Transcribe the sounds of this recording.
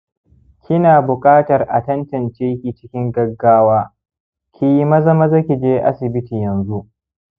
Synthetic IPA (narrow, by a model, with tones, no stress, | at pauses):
kʲʰɪ˦naː˨bʊ˨kʼaː˦tɐ˨rʔa˨tɐ˦ntɐ˨nt͡ʃeː˦kʲiː˨t͡ʃɪ̥˦kʲɪ˦ŋɡɐ˦ɡːaː˦waː˦ | kʲʰi˨ji˦mɐ˦zɐ˦ma˦zɐ˦kʲi˨d͡ʒeː˦ʔa̰˦sɪ˨bɪ˦tiː˨jɐ˨nzu˦ʔ